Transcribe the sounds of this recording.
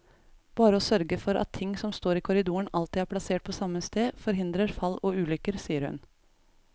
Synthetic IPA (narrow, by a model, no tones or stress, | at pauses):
b̥ɑːɾəɔsœɾɡəfɔɾʔɑ̰t̪ʰːɪŋːsɔmst̪oːɾiːkʰʊɾɪd̪uːəɳɑlt̪ɪæːɾpʰlɑseːʈ̚pʰɔsɑmːəst̪eːfɔɾɦɪnd̪ɾəɾfɑlːɔʉːlʏkːəɾsiːəɾhʉ̰n